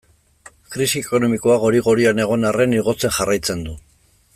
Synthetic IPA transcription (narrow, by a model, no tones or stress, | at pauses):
kɾisieko̞no̞miko̞aɣo̞ɾiɣo̞ɾiane̞ɣ̞o̞nare̞niɣo̞t͡se̞nʝarʔajt͡se̞nd̪u